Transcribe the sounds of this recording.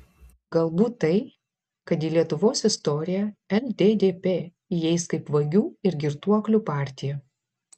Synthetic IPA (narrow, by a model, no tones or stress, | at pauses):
ɡɐlˠbuːt̪ːɐɪ | kɐt̪iːlʲiɛt̪ʊʋoːsɪst̪ɔɾʲɪjɛɛlʲd̪ʲeːd̪ʲeːpʲeː | jɛɪskɐɪpʋɐɡʲuːɪɾɡʲɪɾt̪uɔklʲʊpɑˑɾʲt̪ʲɪjɛ